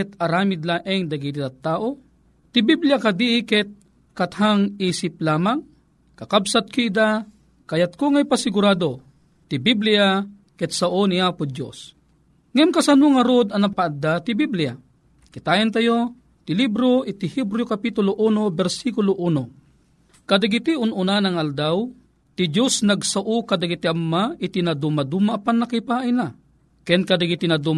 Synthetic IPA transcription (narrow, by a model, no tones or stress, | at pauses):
ɛt̪ɐɾaːmɪd̪laʔɛŋd̪ɐɡid̪it̪at̪ːaːʔo | t̪ɪbiblɪjakad̪iʔɪkɛt̪̚ | kat̪haŋiːsɪp̚laːmaŋ | kɐkabsat̪̚kiɪd̪a | kajat̪̚koŋajpasɪɡʊɾaːd̪o | t̪ɪbiblɪja | kɛt̪̚saʔoniaːpʊd̪jo̰s | ŋɛmkɐsanʊŋɐɾod̪ɐnɐpaːd̪ːat̪ɪbiblɪja̰ | kɪt̪aɛnt̪̬ajo | t̪ɪlibɾoʔɪt̪ɪhibɾjokapit̪ʊloʔunobɛɾsikʊloʔuno | kad̪aɡɪt̪iʊnʊnanaŋald̪aw | t̪ɪd͡ʒjosnaɡsaʔokad̪aɡɪt̪iʔamːaʔɪt̪inad̪umad̪umaʔːpanːakipaajna | kɛnkad̪aɡɪt̪inad̪um